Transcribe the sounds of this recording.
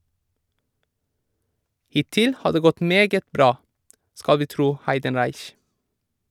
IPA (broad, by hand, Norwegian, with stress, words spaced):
ˈhɪˌtɪl ˈhɑː ˈdeː ˈɡɔt ˈmeːɡət ˈbɾɑː ˈskɑl ˈʋiː ˈtɾuː ˈhæɪdənɾæɪç